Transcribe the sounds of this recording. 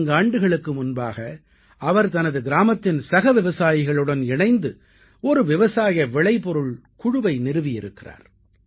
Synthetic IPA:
ŋɡaːɳɖɯɣɐɭɯkːɯmʊnbaːɣɐ | ɐʋɐɾt̪ɐnɐðɯɡɪɾaːmɐt̪ːɪnsɐɣɐʋɪʋɐsaːjɪɣɐɭɯɽɐnɪɳɐɪnd̪ɯ | ɔɾɯʋɪʋɐsaːjɐʋɛɭɐɪpɔɾɯɭ | kʊɻʊʋɐɪnɪɾɯʋɪjɪɾɯkːɪra̰ːɾ

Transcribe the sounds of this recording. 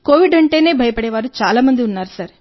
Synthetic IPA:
koːʋiɖɐɳʈe̞ːne̞ːbʱɐjɐpɐɽɛːʋaːɾut͡ʃaːlaːmɐnd̪iunːaːɾusɐɾ

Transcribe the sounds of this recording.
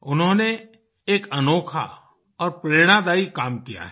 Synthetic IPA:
ʊnɦõne | eːkɐnoːkʰa̰ | ɔːɾpɾeːɽ̃ad̪aːikaːmkija̰ɦɛ

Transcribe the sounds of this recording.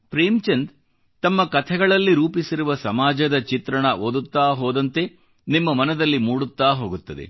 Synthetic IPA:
pɾeːmt͡ʃend̪ | t̪ɐmːɐkɐt̪ʰɛɡɐɭɐlːiɾuːpisiɾuʋɐsɐmaːd͡ʒɐd̪ɐt͡ʃit̪ɾɐɳɐʔoːd̪ut̪ːaːɦoːd̪ɐnt̪e̞ | nimːɐmɐnɐd̪ɐlːimuːɽut̪ːaːɦo̞ːɡut̪ːɐd̪e̞̰

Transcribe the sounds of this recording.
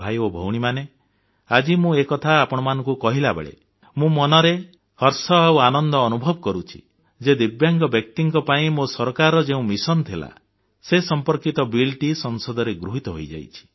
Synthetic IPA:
bʱajobʱo̰wɽ̃imane | ad͡ʒimũekɔt̪ʰaːpɔɽ̃ɔmanɔ̃ŋkukɔɦilabḛɭḛ | mũmɔnɔɾe | hɔɾsɔawanɔnd̪ɔːnubʱɔbɔkɔɾut͡ʃʰi̥̰ | d͡ʒed̪ibjaŋɡɔbjɔk̚t̪iŋkɔpaĩmosɔɾkaɾɔd͡ʒeũmisɔnt̪ʰila̰ | sesɔmpɔɾkit̪ɔbilʈisɔŋsɔd̪ɔɾeɡɾuɦit̪ɔɦojd͡ʒa̰jt͡ʃʰi̥

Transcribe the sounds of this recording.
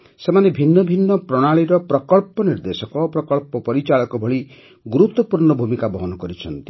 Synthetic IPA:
semanebʱinːɔbʱinːɔpɾɔɽ̃aɭiɾɔpɾɔkɔɭpɔniɾd̪esɔkɔpɾɔkɔɭpɔpɔɾit͡ʃaɭɔkɔbʱɔɭi | ɡuɾut̪wɔpuɾɳɔbʱumikabɔɦɔnɔkɔɾit͡ʃʰɔnt̪i

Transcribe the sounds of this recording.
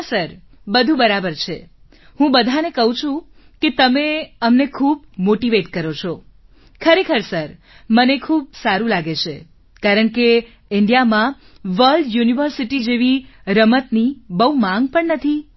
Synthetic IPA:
səɾ | bəd̪ʱũbəɾabəɾt͡ʃʰe | ɦũbəd̪ʱanekəɦũt͡ʃʰũ | ket̪əmeəmnekʰubmoʈiʋeʈkəɾot͡ʃʰɔ | kʰəɾekʰəɾsəɾ | mənekʰuːb̚saɾũlaɡet͡ʃʰe | kaɾəɳke | ɪɳɖijamã | ʋəlɖjuniʋəɾsiʈid͡ʒeʋiɾəmət̪nibəumãŋɡ̚pəɳnət̪ʰi

